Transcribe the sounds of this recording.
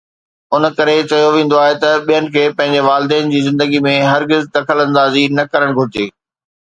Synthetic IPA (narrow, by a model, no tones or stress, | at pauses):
ʊn̆kɐɾet͡ɕɐjoʋẽːn̆d̪oaːɦet̪ɐɓijənɪ̆kʰeːpɐ̃ɦɪ̃ɲ̆d͡ʑeʋaːlɪd̪ɛːnɪ̆d͡ʑiːzɪ̃nd̪əɡimẽɦɐɾɡɪzd̪ɐkʰəlɐ̃nd̪aːzinɐkɐɾəɽ̃ɡʱʊɾɪd͡ʑeː